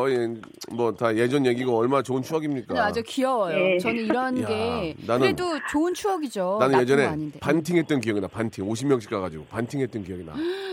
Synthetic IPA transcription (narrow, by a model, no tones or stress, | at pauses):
ʌ | mʌtaje̞d͡ʑʌnjeɡiɡaʌɭmanat͡ɕoɯnt͡ɕʰuʌɡimɲik͈ɯaad͡ʑʌkiʌwʌjot͡ɕʌnɯniɾʌnɡe̞nanɯedot͡ɕoɯnt͡ɕʰuʌɡid͡ʑonanɯnje̞d͡ʑʌne̞ɲindepantʰiŋɦe̞t̚t͈ʌnkijʌɡinapantʰiŋoɕ̬ʰimjʌŋɕʰi̥k͈aɡad͡ʑiɡopantʰiŋɦet̚t͈ʌnkijʌɡinda̰